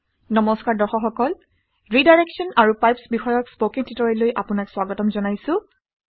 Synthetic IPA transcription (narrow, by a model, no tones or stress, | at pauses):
nɔmɔskaɹdɔxɔxɔkɔl | ɹidajɹɛksɔnaɹupajpsbixɔjɔkspokĩntitɔɹɛlojʔapʊnakswaɡɔtɔmzɔnajsʊ̃